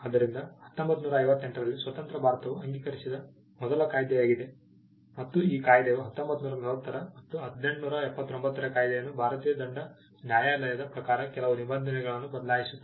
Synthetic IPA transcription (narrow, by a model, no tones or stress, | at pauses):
ɐd̪ɐɾind̪ɐhɐt̪ːombɐt̪ːnuːɾɐɐjʋɐt̪ːe̞ɳʈɾɐlːisʋɐt̪ɐnt̪ɾɐbʱaːɾɐt̪ɐʋuɐŋɡiːkɐɾisid̪ɐ | mɔd̪ɐlɐkaːjd̪ɛjaːɡid̪e̞ | mɐt̪ːuiːkaːjd̪ɛʋuɦɐt̪ːo̞mbɐt̪ːunuːɾɐnɐɾɐt̪ːɐɾɐmɐt̪ːuɦɐd̪ne̞ɳʈnuːɾɐɛpːɐt̪ːombɐt̪ːɐɾɐkaːjd̪ɛjɐnːubʱaːɾɐt̪iːjɐd̪ɐɳɖɐ | njaːjaːlɐjɐd̪ɐpɾɐkaːɾɐkɛlɐʋunibɐnd̪ʱɐnɛɡɐɭɐnːubɐd̪ɐlaːjisuːe